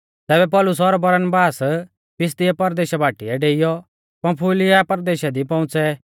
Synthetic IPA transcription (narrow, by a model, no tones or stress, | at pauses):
t̪ɛːbɛpɔlʊs̬ɔɾbɐɾənbaːs | pɪs̬t̪ɪɛpɐɾd̪eːʃabʱaːʈiɛɖeːɪjɔ | pɐ̃pʰuːlɪjapɐɾd̪eːʃad̪ipɔ̃ʊ̃t͡sɛ